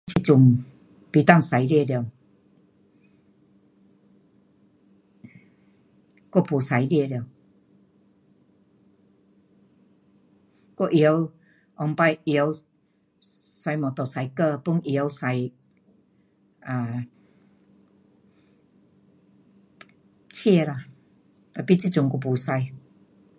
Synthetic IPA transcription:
t͡ɕʰi˧˨t͡su˨˩ŋ | pi˨˩t̪a˥˧˨ŋsa˨˧˦jlje˥˧˨ljə˧˨˩w | kɔ˥˧˨pʰu˨sa˨˧˦jlje˥˧ljə˧˩˨w | kɔ˥˧˨ʔi˨˦w | ʔɔ˧ŋpa˧jji˧˦w | sa˧jmɔ̃˨˩t̪ɔ˨˩sa˨˧jkə˥˧pu˧˦ŋʔi˧˦wsa˨˧j | a˨ | t͡ɕʰi˥˧la˧˨ | t̪a˨pi˦˧t͡ɕi˥˧t͡ɕu˨˧ŋko˧pʰu˨˩sa˧j

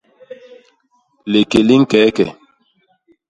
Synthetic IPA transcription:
le˨ke˨li˦ŋ̩˦kɛː˨˦kɛ˨

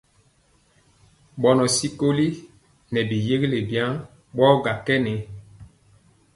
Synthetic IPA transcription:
ɓɔ˨nɔ˨si˦ko˦li˦ | nɛ˨bi˨je˦ɣi˦le˨bjã˦ | ɓɔ˦ɡa˨kɛ˦nɛ˨

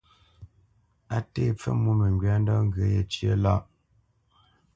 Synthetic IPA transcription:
a˦te˦˨p͡fɛ̰˦mu˦mə˨ŋɡɥa˨˦n˦dɔ˦ŋ˦ɡə˨˦je˨t͡ʃjə˦la˦˨ʔ

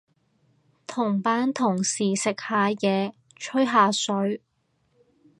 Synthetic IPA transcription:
t̪ʰʊ˨˩ŋpaː˨˥nt̪ʰʊ˨˩ŋsiː˨˩sɪ˨k̚haː˨˧jɛː˨˧ | t͡ʃʰɵ˥ɥɦaː˨˧sɵ˨˥ɥ

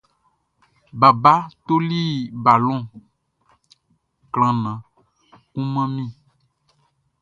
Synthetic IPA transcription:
ba˨ba˦t̪o˦li˦ba˨lɔ̃˦˨ | kl̃ã˨nã˨ | kũ˦mã˦mĩ˦

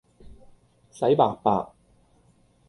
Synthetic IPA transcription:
sɐ˨˥jpaː˨˧k̚pa̰ː˧k̚

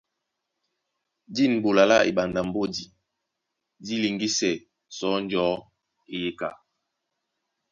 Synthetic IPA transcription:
di˦˨n˨bo˨la˨la̰˦ʔḭ˨ɓa˨nda˨m˨bo˦di˨ | di˦li˨ŋɡi˦sɛ˨ | sɔ˨˦n˦d͡ʒɔ˨˦ | i˦˨je˦ka˨

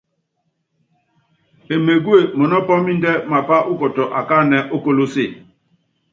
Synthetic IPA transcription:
e˨me˨ɡwe˦˨mɔ˨nɔ˦pɔ˦mi˦ndɛ˦ma˨pa˦ʔu˦kɔ˨tɔ˨ʔa˨ka˦˨nɛ˨ʔo˦ko˦lo˦se˦˨

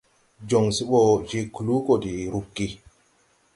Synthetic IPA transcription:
d͡ʒɔ˨ŋsi˦ɓɔ˦˨d͡ʒe˦ku˨lu˦kɔ˨di˨ɾu˨kːi˦

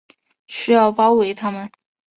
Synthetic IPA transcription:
ɕy˥jɑ˥˩ʊpɑ˥ʊwe˧˩ɪt̪ʰa˥mə˨n

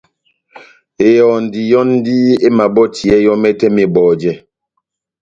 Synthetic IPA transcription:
e˨jɔ˨n˨di˨jɔ˦n˦di˦e˦ma˨bɔ˦tʰi˨ɛ˦jɔ˦mɛ˦tɛ˦mi˨bɔː˨d͡ʒɛ˦

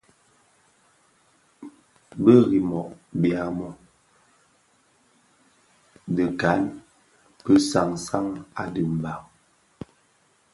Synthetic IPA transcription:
bə˦ɣi˨mɔ˨ʔbja˨mɔ˦ | də˨ka˨˦n | pə˦sa˨ŋsa˦ŋa˨də˨m˨ba˨ŋ

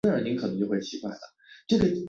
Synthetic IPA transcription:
ə˞˧˥ni˧˥ŋʰkʰnɤ˧˥ŋt͡ɕjo˥˧ʊwɪt͡ɕʰi˧˥kwa̰˥˩ɪlə̰˩ | ʈ͡ʂɤ˥˩ɡə˩

